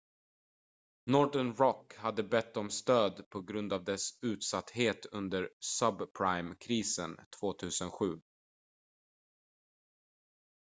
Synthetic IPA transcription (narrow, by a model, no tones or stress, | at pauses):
nɔɖəɳɾɔkhad̪ːəbɛt̪ːɔmst̪øːd̪pʰɔɡɾɵnd̪avd̪ɛsʉ̟ːt̪sat̪ːheːt̪ɵnd̪əɾsœbpʰɾajmkʰɾiːsə̰nt̪ʰv̥oːt̪ʰʉ̟ːsənɧʉ̟ː